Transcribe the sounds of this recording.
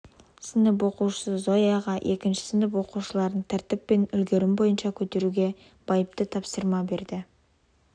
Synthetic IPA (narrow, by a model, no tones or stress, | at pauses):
sɪnɪp̬wo̞quʃə̥səzo̞jɑʁɑʔe̞kʲɪnʃɪ̥sɪnɪp̬wo̞quʃəlˠɑɾd̪əɴt̪ʰæɾt̪ɪpːe̞nʏlɡʲe̞ɾɪmbo̞jənʃɑkʲʰɵt̪e̞ɾuɡʲe̞ | b̥ɑjəp̚t̪ət̪ʰɑpsəɾmɑbe̞ɾd̪ɪ